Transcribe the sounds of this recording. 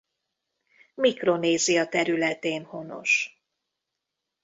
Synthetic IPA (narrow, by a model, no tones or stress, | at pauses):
mikro̞neːzijɒt̪ɛɾylɛt̪eːnho̞no̞̰ʃ